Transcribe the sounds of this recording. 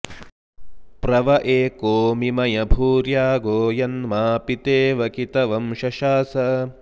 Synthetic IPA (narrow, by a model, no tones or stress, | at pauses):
pɾɐʋɐʔeːkoːmimɐjɐbʱuːɾjaːɡoːjɐnmaːpit̪eːʋɐkit̪ɐʋɐmʃɐʃaːsɐ